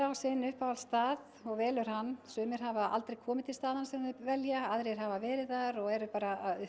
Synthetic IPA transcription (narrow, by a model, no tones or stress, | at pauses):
awsɪnʏhpawalst̪aːð | ɔɣvɛːlʏɾ̥hanːsʏːmɪɾ̥ɦavaʔa̰lt̪ɾejkʰɔːmɪt̪ʰɪlst̪aːðanasɛmvɛljaaðɾeɾ̥ɦavavɛːɾɪðaɾɔɣɛɾʏpaːɾaʏ